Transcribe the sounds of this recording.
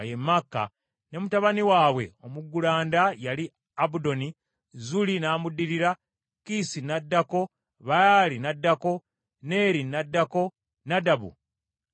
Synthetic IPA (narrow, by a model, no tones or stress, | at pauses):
jemːakːa̰ | ne̞mutaβaniwaːβwe̞o̞muɡːulaːndajali | aβudo̞ni | zulinaːmudːiɾiɾa | kisinadːako̞ | βajaːlinadːako̞ | ne̞ːɾinadːako̞ | nadaβṵ